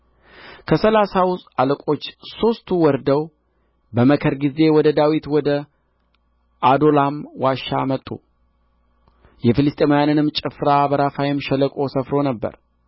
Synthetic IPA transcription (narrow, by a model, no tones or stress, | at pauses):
kʰəsəlasawsaləkʼo̞t͡ʃːso̞st̪ʰuwɔɾd̪əw | bəməkʰəɾɡize̞wɔd̪əd̪awit̪wɔd̪ə | ad̪o̞lamwaʃa̰mət̪ʼːṵ | jɛfilɨst̪ʼemajanɨnɨmːt͡ʃʼɨfɾabəɾafajɪmʃɛləkʼo̞səfɾo̞nəbːə̰ɾ